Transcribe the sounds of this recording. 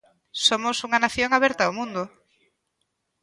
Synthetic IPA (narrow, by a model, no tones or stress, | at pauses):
somʊsuŋanaθjoŋaβɛɾt̪aomũnd̪ʊ